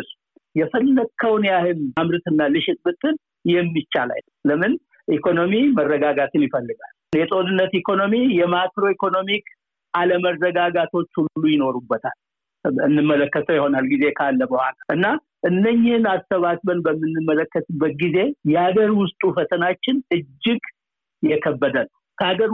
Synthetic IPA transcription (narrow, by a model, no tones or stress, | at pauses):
su̥ | jɛfəlːəkʰːəwnjahɨnamɾɨt̪ɨnːalɨʃɪt̪ʼbɨt̪ʰːɨn | jɛmːit͡ʃːa̰la̰l | ləmɨn | ʔikʰo̞no̞mimərːəɡaɡat̪ʰɨnjɪfəlːɨɡal | jɛt̪ʼo̞nɨnːət̪ikʰo̞no̞mijɛmakɾo̞ikʰo̞no̞mik | ʔaləməɾəɡaɡat̪ʰo̞t͡ʃːhululːujɪno̞ɾubːət̪ʰa̰l | ɨnːɨmːələkːət̪ʰəwjɪho̞nalɡize̞kʰalːəməhʷa̰laʔɨnːa | ʔɨnːəɲːɪhnasəβasbənbəmːɨnːɨmːələkːət̪bət̪̚ɡize̞jɛhaɡəɾwʊst̪ʼufət̪ʰənat͡ʃːɪnɨd͡ʒːɪɡ | jɛkʰəbːəd̪ənə | kʰəaɡəɾ